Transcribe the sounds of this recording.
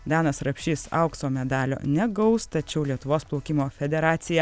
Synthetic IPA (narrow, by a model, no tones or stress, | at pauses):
d̪ʲɑːnɐsɾɐpʲʃʲiːsɐ̰ˑʊksoːmʲɛd̪ɑːlʲo̰ːnʲɛɡɐʊst̪ɐt͡ʃʲɛʊlʲiɛt̪ʊʋoːsplˠuːkʲimoːfʲɛd̪ʲɛɾɑːt̪sʲɪjɛ